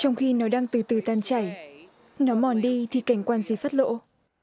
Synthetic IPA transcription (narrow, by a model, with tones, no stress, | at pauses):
t͡ɕɔ˧wŋ͡mxi˧nɔ˨˦ɗaː˧ŋt̪ɨ˨˩t̪ɨ˨˧˩t̪aː˧˩nt͡ɕa˧˩j | nɔ˨˦mɔ˨˩nɗi˧t̪ʰi˨˩ka˧˩jŋ̟kwaː˧nzi˨˦fa˦˥t̚lo̰˧˥